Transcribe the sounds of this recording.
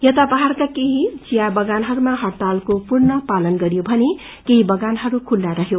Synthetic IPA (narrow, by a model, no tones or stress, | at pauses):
jʌt̪apaɦarkakeɦid͡zijabʌɡanɦʌɾumaɦʌrt̪alkopurnʌpalʌnɡʌɾjobʱʌne | keɦibʌɡanɦʌɾukʰulːaɾʌɦjo